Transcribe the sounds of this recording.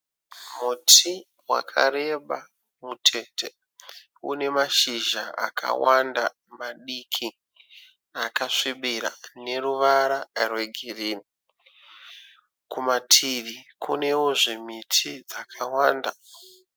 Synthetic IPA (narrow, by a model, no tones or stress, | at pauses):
mutʰi | wa̰kʰa̰ɾe̞ɓa | mutʰe̞te | ṵne̞maʃiʒaa̰kʰa̰wanda | maɗikʰi | akaʂiɓiɾa̰ne̞ruʋaɾarwe̞ɡʱiriːni | kumatʰiʋikʰune̞wo̞ʐimitʰid͡zakʰawaːnda